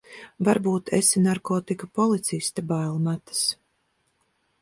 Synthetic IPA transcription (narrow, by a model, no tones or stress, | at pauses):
vaɾbuːt̪esinaɾkɔːt̪ikapɔlˠit̪sist̪abaːlˠmat̪ḁs